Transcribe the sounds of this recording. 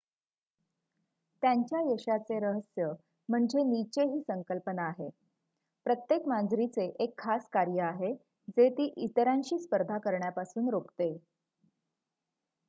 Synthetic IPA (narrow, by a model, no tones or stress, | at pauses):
t̪jaɲt͡ɕjajəɕat͡seɾəɦəsjə | m̤əɳd͡ʑenit͡ɕeɦiːsəŋkəlpənaːɦe | pɾət̪jekmand͡zɾit͡seʔekʰːaskaɾjəaɦe | d͡zet̪iːʔit̪ɾãnɕiːspəɾd̪ʱakəɾɳjapasuːnɾokt̪e